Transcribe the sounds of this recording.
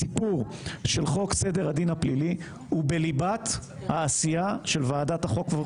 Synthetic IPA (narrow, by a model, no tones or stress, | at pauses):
ipuʁʃelχo̞kse̞de̞ʁad̪inhaplili | hubelibat | haːsijaʃelvaːdat̪haχo̞kve